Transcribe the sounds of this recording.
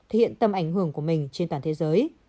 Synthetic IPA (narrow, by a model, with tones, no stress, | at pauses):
t̪ʰe˨˩khḭ˧˨ənt̪ə˧mʔa˧˩jŋhɨ˧˩əŋku˧˩əmï˨˩ŋ̟t͡ɕe˧nt̪waː˨˩nt̪e˨˦zəː˨˦j